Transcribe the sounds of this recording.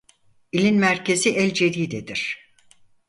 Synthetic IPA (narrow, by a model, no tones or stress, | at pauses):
ilʲinmæɾcʰe̞ziʔɛlʲd͡ʒe̞d̪iːd̪ed̪iɾ̥